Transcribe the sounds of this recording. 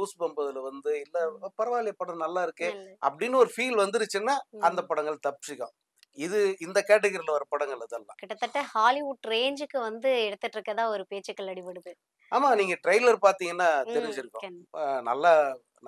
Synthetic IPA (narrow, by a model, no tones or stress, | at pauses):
uːsbɐmbɐðɪlʋɐnd̪ɯɪlːɐpɐɾɐʋaːlɪjɐpːɐɽɐ̃nɐlːaːɪɾɯkːɯʔɐ̰pːɐɽɪnːɯɔɾɯfiːlʋɐnd̪ɯɾɯt͡ʃːɯnːaːɐnd̪ɐpɐɽɐŋɡɐɭt̪ɐpːsɪkːɐ̃ | ɪðɯɪnd̪ɐkeːʈ̬ːɛɣɐɾɪlʋɐɾɐpɐɽɐŋɡɐɭɐðɐlːã̰ːkɪʈːɐt̪ːɐʈːɐhaːlɪʋʊʈɾeːnd͡ʒɯkːɯʋɐnd̪ɯɛɽɯt̪ːɯʈːɾɯkːɐt̪ãːɔɾɯpeːt͡ʃːɐkːɐɭɐɽɪʋɐɽɯðɯ | aːmaːniːŋɡɐʈɾɐɪlɐɾpaːɾt̪iːŋɡɐnːaːt̪ɛɾɪɲd͡ʒɪɾɯkːʊ̰̃nɐlːa | n